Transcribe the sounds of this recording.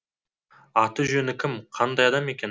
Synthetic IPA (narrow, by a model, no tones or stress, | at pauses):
ɑt̪əʒɵnɪkʲʰɪmqʰɑnd̪ɑjɑd̪ɑme̞kʲe̞n